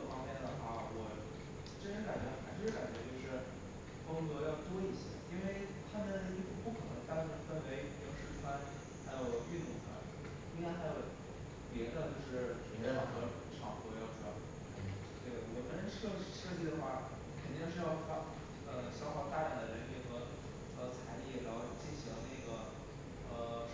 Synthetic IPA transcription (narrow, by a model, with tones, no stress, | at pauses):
fɑ˥ŋmjɛ˥˩nd̪ə˩xwa˥˩wɔ˨˩ | ʈ͡ʂə˥ʈ͡ʂ̩˧˥ka˨˩nt͡ɕɥɛ˧˥xa˧˥ɪʂ̩˥ʂɻ̩˥˩ka˨˩n˩t͡ɕɥɛ˧˥t͡ɕjo˥˧ʊʂɻ̩˥˩ | fʊ˥ŋkɤ˧˥jɑ˥˩ʊt̪wɔ˥i˥˩ɕɛ̰˧˩˦i˥nwe˥˧ɪt̪ʰa˥m˧ə˧˥n˧˥i˥˩ku˧˥˩pu˥˩kʰɤ˨˩nə˧˦˥ŋt̪a˥˧nʂ̩˥˩fə˥nwe˧˥ɪ˨˩jo̰˨˥˩ʊʂɻ̩˥˩t͡sʰwa˥n | xa˧˥ɪjo˨˩ʊi˥˩t̪u˨˩ŋt͡sʰwa̰˥n | i˥a˥xa˧˥ɪjo˨˩ʊ | pjɛ˧˥d̪ə˧t͡ɕjo˥˧ʊʂɻ̩˥˩ | ɛ˧˥ʂʰɑ˥˩ŋxɤ˧˥˩ʈ͡ʂʰɑ˥˨˩ŋxɔ˧˥jɑ˥˧˩ʊʂ | t̪we˥˩wɔ˨˩t̪ə˥nɻə˧˥ʂt͡ɕʰʂɤ˥˧t͡ɕi˥˩d̪ə˩xwa˥˩ | kʰə˨˩nt̪i˥˧ŋʂɻ̩˥˧jɑ˥˧ʊfʰa˥˩ | ə˧˩ɕjɑ˥ʊxɑ˥˧ʊt̪a˥˩ja˨˩ŋd̪ə˩ɻə˧˥nli˥˩xɤ˧˥ | xə˧˥t͡sʰa˧˥ɪli˥˩ɻɑ˧˥xo˥˧ʊt͡ɕi˥˩nɕi˧˥ŋna˥˩ɪɡə˩ | ə˧˩